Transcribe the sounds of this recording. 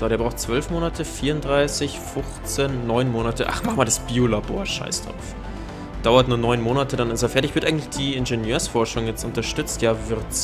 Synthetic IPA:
z̥oːdeɐbʁaʊtt͡sv̥œlfmoːnatʰəfiːɐʊntdʁaɪsɪçfʊxt͡senːɔʏnmoːnatəʔa̰χmaχmaːldasb̥iːolaboːɐʃa̰ɪsd̥ʁa̰ʊf | d̥aʊɐtnuːɐnɔʏnmoːnatʰədanɪsɛɐfɛɐtɪçv̥ɪɐʔaɪŋ̩tlɪçd̥iːɪnʒenjøːɐsfɔɐʃʊŋjɛt͡stʊntɐʃtʏt͡stjaːvɪɐs

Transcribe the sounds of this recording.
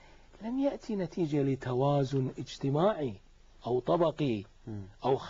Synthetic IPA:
lamjaʔt̪ʰinat̪ʰiːd͡ʒalɪt̪ʰawaːzʊnʔɪd͡ʒt̪ɪmaːʕi | ʔawt̪ˤɑbɑqi | ʔaw

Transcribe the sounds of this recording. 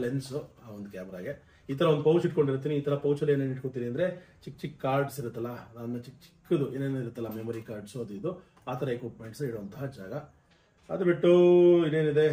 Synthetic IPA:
lensuaːond̪ukjaːmɐɾa̰ːɡe | iːt̪ʰɐɾɐo̞nd̪upɐwt͡ʃiʈko̞ɳɖiɾut̪̬iːniiːt̪ʰɐɾɐpɐwt͡ʃɐlːeːneːniʈkot̪ːiniɐnd̪ɾe̞t͡ʃik̚ːt͡ʃikːaːɾɖsiɾut̪ːɐlːɐnanːɐt͡ʃik̚ːt͡ʃi̥kːud̪ueːneːnoiɾut̪ːɐlːɐmemɐɾikaːɾɖsuɐd̪uid̪u | aːt̪ʰɐɾɐekʋuːpmeɳʈsɐiɽuʋɐnt̪ɐɦɐd͡ʒaːɡɐ | ɐ̰d̪ɐbiʈːuineːnid̪e̞

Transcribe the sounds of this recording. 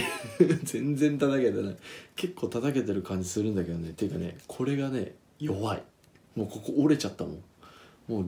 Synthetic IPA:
zẽ̞nd͡zẽ̞nt̪at̪aked̪enaike̞kːo̞ːt̪at̪ake̞t̪e̞ɾɯ̟kãɲ̟d͡ʑi̥sɨɾɯ̟̃nd̪ake̞d̪one̞t̪ːeɯ̟kane̞̰kʰo̞ɾe̞ɡane̞ | jo̞βaḭ | mo̞ːko̞koʔoɾe̞t͡ɕat̪ːamõ̞̰ŋmo̞ː

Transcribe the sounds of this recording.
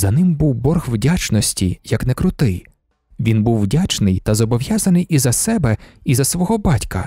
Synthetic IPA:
zɐnɪmbuwbɔrxwdʲat͡ʃnɔsʲtʲijɐknɛkɾʊt̪ɪj | ʋʲinbuwːdʲat͡ʃnɪjt̪ɐzɔbɔʋjazɐnɪjʔizɐsɛbɛizɐsʋɔɦɔbɑtʲkɐ̰

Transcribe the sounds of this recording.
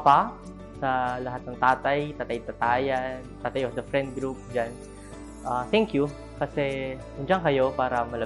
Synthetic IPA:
pa | sɐlɐɦat̪̚nɐŋt̪aːt̪ɐjt̪aːt̪ɐjt̪at̪aːjɐnt̪aːt̪ajɔfd̪ɐfɾɛ̃nd̪̚ɡɾup̚d͡ʒan | ʔat̪ɛŋkju | kɐsɛ | ʊnd͡ʒaŋkɐjo̞paːɾɐmɐlɐ

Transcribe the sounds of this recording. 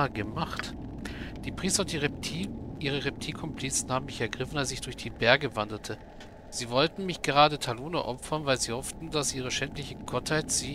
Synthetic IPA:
ɡəmaχt | d̥iːpʁ̥iːstɐʊntd̥iʁʰ | ʔiːʁəʁɛp̚tʰiːkʰɔmpʰl̥it͡sn̩haːbm̩mɪçɛɐɡʁɪfn̩alszɪçd̥ʊɐçd̥iːbɛɐɡəvandɐtʰə | z̥iːvɔltn̩mɪçɡ̥əʁaːdətʰaloːnə̰ʔɔpfɐnvaɪlziːhɔftn̩dasʔiːʁ̞əʃɛntlɪçəɡ̥ɔthaɪtz̥iː

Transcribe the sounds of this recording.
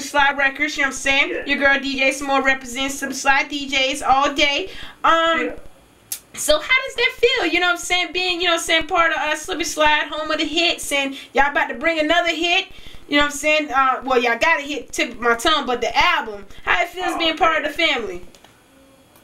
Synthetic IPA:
slaɪdɹɛkə˞dzjɨnoʊsæ̃ɪ̃njə˞ɡɜ˞ɨdid͡ʒeɪsmɔlɹɛpɹɨzɛ̃ntsʌ̃mslaɪdid͡ʒeɪzɔlˠdeɪʌ̃m | soʊhaʊɾʌzðɨtfilˠjɨñoʊɨ̥sæ̃nbiɪ̃ŋjɨnoʊsɛ̃npʰɑɹɾʌʌslɪlˠbislaɪɨt̚ɦõʊ̃mwɨðɨɦɪtsɛ̃njaɪɡɑtɨbɹɪ̃ŋɨnʌðə˞ɦɪt̚ | jɨnoʊɨ̥sɛ̃nʌwɛlˠjæaɪɡɑt̚ɨɦɪtʰɪkmaɪtʰʌ̃ʊ̃mbʌt̪̚ðiʔælˠbə̃mhaʊðɨtfilˠzbiɪ̃ŋpʰɑɹɾʌvðɨfæ̃mli

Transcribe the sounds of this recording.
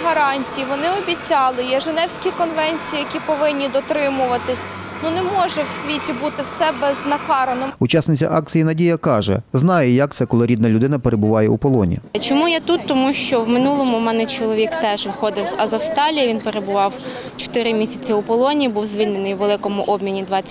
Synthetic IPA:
ɦɐɾɑnʲtʲijiʋɔnɪɔbʲit͡sʲɑlˠɪjɛʒenɛwsʲkʲikɔnʋɛnʲt͡sʲijijɐkʲipɔʋɪnʲːid̪ɔt̪ɾɪmʊʋɐt̪ɪsʲ | nunɛmɔʒɛwsʲʋʲitʲibut̪ɪwsɛbɛznɐkɑɾɐnɔut͡ʃɑsnɪt͡sʲɐ̰ʔɑk̚t͡sʲijinɐdʲijɐkɑʒɛ̰znɑjɛjɐk̚t̪sɛkɔlˠɔɾʲid̪nɐlʲʊd̪ɪnɐpeɾebʊʋɑjɛupɔlˠɔnʲḭt͡ʃɔmujat̪ut̪ːɔmuʃt͡ʃɔwmɪnulˠɔmʊmɛnɛt͡ʃɔlˠɔʋʲikt̪ɛʒnɐxɔd̪ɪwzɐzɔwst̪ɑlʲijɐʋʲinpeɾe̞bʊʋɑw | t͡ʃɔ̥t̪ɪɾɪmʲisʲɐt͡sʲɐupɔlˠɔnʲibuwzʲʋʲilʲnenɪjwʋelˠɪkɔmʊʔɔbmʲinʲid̪ʋɑt͡sʲː

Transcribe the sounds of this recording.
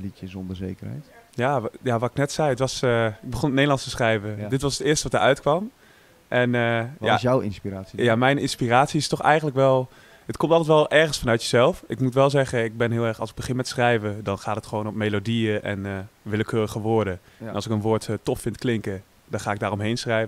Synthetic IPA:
litəzɔndəzejkərɛ̰jtjaːjaːʋaːɪknɛtsɛjətʋɑsɪɡ̚bəχonənejdəlˠɑnstəsχrɛjvədɪtʋɑsətɪːɹstəʋɑtəɹœ̰ɥtkʋɑm | ʔɛnəasjawɪ̰nspiraːsijamɛjnɪnspiraːtsiɪstɔxɛ̰jχəntləkʋɛlˠ | ətkɔmtɑlˠtɛtʋɛlˠʔɛɹχənsfɑnœɥtjəzɛlˠfɪkmutʋɛlˠzɛχəɪk̚bɛnɦɪːlˠɛɹxɑ̰lˠsɪɡ̚bəχɪnmɛtsrɛjvədɑnχaːtətχəʋoːnɔpmejlodiəʔɛ̰nʋɪləkʰøːrəɣəʋʊːɹdəɛnɑlˠsɪkənʋʊːɹttɔffɪntklɪŋkə | d̥ɑnχaːɪɡ̚daːrɔmɦejnsrɛjvə

